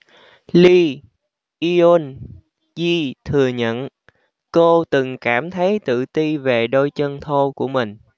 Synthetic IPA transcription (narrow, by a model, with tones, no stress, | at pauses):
li˧ | ʔi˧o˧n | zi˧t̪ʰɨ˨˩əɲə̰˧˨n | ko˧t̪ɨ˨˩ŋkaː˧˩mt̪ʰə˨˦jt̪ɨ̰˧˨t̪i˧ve˨˩ɗo˧jt͡ɕə˧nt̪ʰo˧ku˧˩əmï˨˩ŋ̟